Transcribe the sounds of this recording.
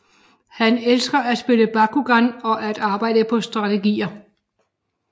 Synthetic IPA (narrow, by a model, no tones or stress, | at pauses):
hænelsɡ̥ɐæ̥sb̥e̝ləb̥ɑ̈kʰuɡ̥ɑnɒ̽ʔæd̥ɑ̈ːb̥ɑ̈ɪ̰dəpʰɒ̽sd̥ʁɑ̈t͡sʰeɡ̥ḭːɐ